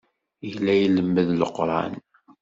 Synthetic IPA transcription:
jlːæjləmːəðləqːɾˤɑ̰n

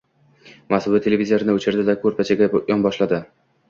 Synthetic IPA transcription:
masʊd̪ɪt̪ʰelʲevizijaɾɪnɪʊt͡ʃʰɪɾd̪ɪd̪akʰɵɾpʰat͡ʃʰaɡʲajɒnbɒʃlad̪ɪ

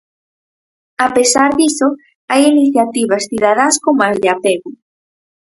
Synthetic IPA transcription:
apesaɾðiso | ajiniθjat̪iβɐsθiðað̞askomazðɪapeɣʊ

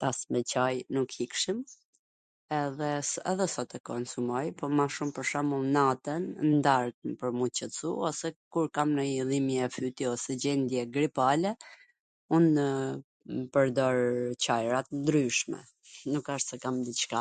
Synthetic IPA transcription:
t̪asmɛt͡ɕajnukhikʃim | ɛðɛsɛ̰ðɛsɔt̪ɛkɔnsumɔjpɔmaʃumpəɾʃamulnat̪ənnd̪aɾt̪npəɾmut͡ɕət͡sṵɔsɛkuɾkamnəiðimjɛɛfyt̪iɔsɛd͡ʑɛnd̪jɛɡɾipalɛ | un | pəɾd̪ɔɾt͡ɕajɾat̪ənd̪ɾyʃmɛ̰ | nukaʃt̪sɛkamd̪it͡ʃka

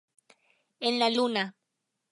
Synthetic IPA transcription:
enlaluna

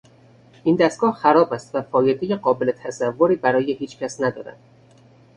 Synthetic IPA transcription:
ʔiːnd̪æst̪ɡ̥ɒːhxæɾɒːbæst̪væfɒːjed̪ejeɢɒːbe̞le̞t̪ʰæzævːoɾiːbæɾɒːjehiːt͡ʃcʰʲæsnæd̪ɒ̰ːɾæ̰d̪̥

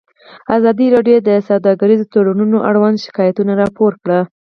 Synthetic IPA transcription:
azɑd̪iɾɑɖjod̪əsawd̪ɑɡaɾizot̪aɽanunoʔaɽwand̪ʃɪ̥kɑjat̪unaɾɑpoɾkɽə

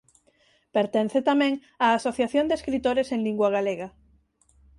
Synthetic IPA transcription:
peɾt̪enθet̪amẽŋ | aːsoθjaθjond̪eskɾit̪oɾesẽŋliŋɡwaɣ̞aleɣa

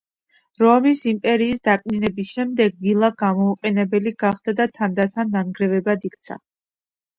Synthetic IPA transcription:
ɾɔmisimpʼɛɾiːsd̪akʼninɛbisʃɛmd̪ɛɡvilˠaɡamɔuqʼɛnɛbɛliɡaχd̪̥ad̪at̪ʰand̪at̪ʰanːaŋɡɾɛvɛbad̪ikʰt̪sʰa̰

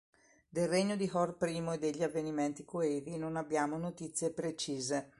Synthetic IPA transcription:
d̪elreɲːod̪iɦɔrpɾiːmoed̪ːeʎːiavːeniment̪ikoeːɾinonabːjaːmonot̪it̪sːjepɾet͡ʃiːze

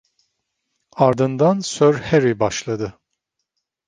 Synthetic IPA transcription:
aɾd̪ɯnd̪ansøɾheɾibaʃlˠad̪ɯ

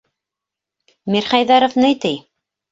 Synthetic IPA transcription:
miɾχæjðæɾŏfnɘjt̪ɘj

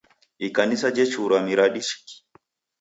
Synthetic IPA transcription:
ʔikanisad͡ʒɛt͡ʃuɾamiɾaɗiʃi̥ki̥

